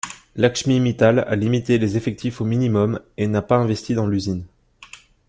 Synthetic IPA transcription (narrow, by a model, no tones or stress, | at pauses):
lakʃmimit̪ala̰limit̪elezefɛk̚t̪ʰifominimɔmenapaɛ̃vɛst̪ʰid̪ɑ̃lyzin